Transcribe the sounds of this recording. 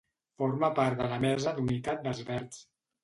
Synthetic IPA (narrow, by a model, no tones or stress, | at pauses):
foɾməpaɾt̪d̪ələmɛzəd̪unit̪at̪̚d̪əzβɛɾt̪s